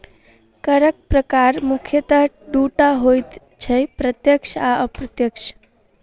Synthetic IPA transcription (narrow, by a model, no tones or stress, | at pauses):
kəɾək̚pɾəkaɾmukʰjət̪əɦ | ɖuʈaɦojt̪ | t͡ʃʰəpɾət̪jəkʃʰaəpɾət̪jəkʃ